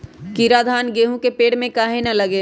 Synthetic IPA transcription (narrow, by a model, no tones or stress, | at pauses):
kiɾad̪ʱaːnɡeːɦũkepeːɽmẽkaːɦenɐlɐɡe